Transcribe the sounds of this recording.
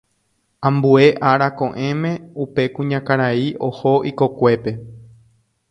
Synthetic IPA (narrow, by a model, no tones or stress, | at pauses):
ãmbue̞ʔaɾakõʔẽ̞mẽ̞upe̞kũɲãkaɾaiʔo̞hoʔiko̞kʷe̞pe̞